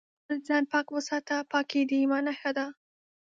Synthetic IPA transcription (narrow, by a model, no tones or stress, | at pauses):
zɑnpɑkwəsɑt̪apɑked̪iimɑnaxad̪a